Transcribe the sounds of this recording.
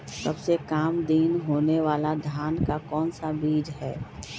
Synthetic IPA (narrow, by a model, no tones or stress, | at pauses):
səbsekaːmd̪iːnɦoːneʋaːlad̪ʱjaːnkakɔːnsabiːd͡ʒɦɛː